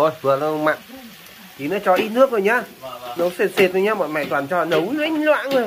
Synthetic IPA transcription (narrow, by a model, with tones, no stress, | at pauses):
o˧˩jvɨ˨˩əla˧˩˧ŋ͡mma̰˧˨ŋ | ki˨˦nɔ˨˦t͡ɕɔ˧˦ʔi˧nɨ˦˥ək̚zo˨˩jɲaː˧nə˨˦wse˨˩t̚se˨˩t̚zo˨˩ɲaː˧mɔ̰˧˨jma̰ː˧˨t̪waː˨˩nt͡ɕɔ˧˩˨nə˨˦wlŋ˧lwa̰ː˧˨nzo˨˩j